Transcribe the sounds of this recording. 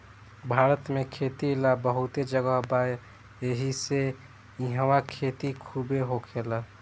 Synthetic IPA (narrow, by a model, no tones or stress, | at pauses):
bʱaɾət̪mekʰet̪ilabəɦut̪ed͡ʒəɡəɦbaj | eɦise | iɦəwakʰet̪ikʰubeɦokʰelə